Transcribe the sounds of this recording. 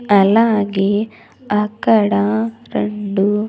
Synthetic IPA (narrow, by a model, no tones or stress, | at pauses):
ɐlːaːɡe | ɐkːɐɽaɾeɳɖu